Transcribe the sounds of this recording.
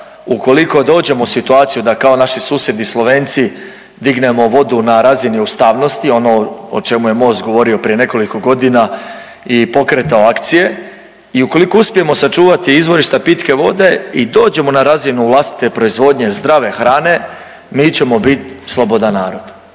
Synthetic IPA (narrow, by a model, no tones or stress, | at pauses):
uko̞liko̞d̪o̞ːd͡ʑe̞mo̞sit̪uaːt̪sijud̪akao̞naʃisuːsje̞d̪islˠo̞ʋe̞ːnt̪si | d̪iɡne̞mo̞ʋo̞d̪unaɾaziniust̪aːʋno̞st̪io̞no̞o̰t͡ʃe̞muje̞mo̞ːst̪ɡo̞ʋo̞ɾio̞pɾije̞ne̞ko̞liko̞ɡo̞d̪ina | ipo̞kɾet̪aoakt̪sije̞ | iuko̞likouspije̞mo̞sat͡ʃuːʋat̪iizʋo̞ɾiʃt̪apit̪ke̞ʋo̞̰d̪e̞id̪o̞ːd͡ʒe̞mo̞naɾazinuʋlˠast̪i̥t̪e̞pɾo̞izʋo̞ːd̪ɲe̞zd̪ɾaʋe̞xɾaːne̞ | miːt͡ɕe̞mo̞bit̪slˠobo̞d̪anːaːɾo̞d̪̥